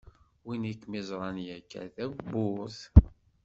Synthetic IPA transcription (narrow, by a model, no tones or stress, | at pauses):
winikːmizˤɾˤɑnjækːæ̰θæbʊθ